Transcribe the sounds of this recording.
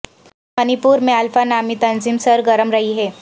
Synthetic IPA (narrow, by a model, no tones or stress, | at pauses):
mɐnipuːɾmẽɐlfanaːmit̪ɐnziːmsɐɾɡɐɾəmɾɐɦiɦɛː